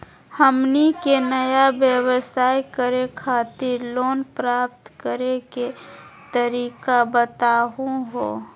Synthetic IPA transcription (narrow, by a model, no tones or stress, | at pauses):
həmnikenəjabjəwəsaːikəɾekʰaːt̪ɪɾloːnpɾaːp̚t̪kəɾeket̪əɾiːkabət̪aːɦũɦoː